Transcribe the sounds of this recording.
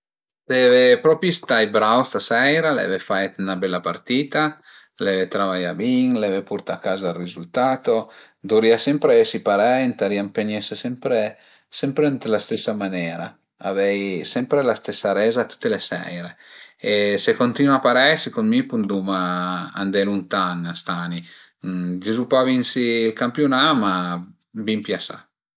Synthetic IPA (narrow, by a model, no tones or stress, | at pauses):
sevepɾɔpist̪ajbɾawst̪asɛjɾalɛ̰vefajt̪unabɛlːapart̪iːt̪a | lɛvet̪ɾavajabiŋlɛvepuɾt̪akːaːzalrizult̪aːt̪o | d̪uɾiasɛmpɾesipaɾɛnt̪aɾiampeɲɛsesɛmpɾe | sɛmpɾent̪last̪esːamanɛːɾa | a̰vɛjsɛmpɾelast̪esːaɾɛːzat̪ːu̥t̪ːelesɛ̰jɾeesekont̪inuapaɾɛsikonmipund̪umaa̰nd̪ɛlunt̪aŋast̪ani | d͡ʒezupavinsiːlkampjonama | bimpjasa̰